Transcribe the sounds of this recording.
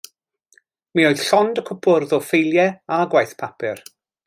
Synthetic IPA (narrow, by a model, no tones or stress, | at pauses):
mioɨð̥ɬɔndəkʰʊpʰʊrðɔfejlˠjɛaɡwajθpʰapʰɪr